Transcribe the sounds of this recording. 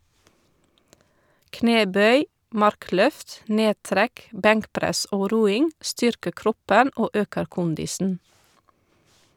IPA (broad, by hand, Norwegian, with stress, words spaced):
ˈkneːˌbœʏ ˈmɑɾˌklœft ˈneːˌtɾæk ˈbæŋkˌpɾæs ˈoː ˈɾuːɪŋ ˈstʏɾkəɾ ˈkɾɔpən ˈoː ˈøːkəɾ ˈkʊndɪsn̩